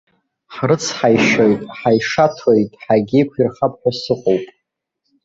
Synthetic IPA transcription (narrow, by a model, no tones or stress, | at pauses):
ħrɨt͡sʰħajʃojtʼħajʂatʰojtʼħaɡʲɪkʷʰirχapʰʼħʷᶣasɨqʼowpʼ